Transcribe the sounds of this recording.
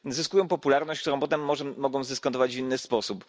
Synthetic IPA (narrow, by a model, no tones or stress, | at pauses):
zɘskujɔ̃w̃pɔpulaɾnɔɕt͡ɕkt̪uɾɔ̃w̃pɔt̪ɛmːɔʐɛːɔɡɔ̃w̃zd̪ɘskɔnt̪ɔvad͡ʑvinːɘspɔsup